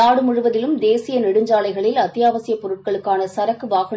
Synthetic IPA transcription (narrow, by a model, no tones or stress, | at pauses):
aːɽɯmʊrɯʋɐðɪlɯmd̪eːsɪjɐnɪɽɯɲd͡ʒaːɭɐɪɣɐɭɪlɐt̪ːɪjaːʋɐsɪjɐpːɔɾɯʈ̚kɐɭɯkːaːnɐsɐɾɐkːɯʋaːɣɐ